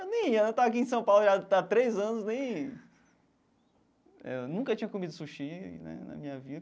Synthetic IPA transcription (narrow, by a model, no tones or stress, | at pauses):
nẽj̃nɐ̃w̃t̪aak̬iẽsɐ̃w̃pawlʒad̪at̪ɾejzɐ̃nʊsnẽj̃ | ɛ̰nũŋkɐt͡ʃĩɲɐkomid̪ʊsuʃinɛ̰nɐ̰mĩɲɐvid̪ɐ